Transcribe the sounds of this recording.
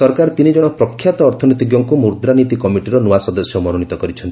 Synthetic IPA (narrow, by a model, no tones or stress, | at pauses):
sɔɾkaɾɔt̪inid͡ʒɔɽ̃ɔpɾɔkʰːjat̪ɔːɾt̪ʰɔnit̪iɡjɔŋkumuɾd̪ɾanit̪ikɔmiʈiɾɔnuwasɔd̪ɔsjɔmɔnuñit̪ɔkɔɾit͡ʃʰɔnt̪i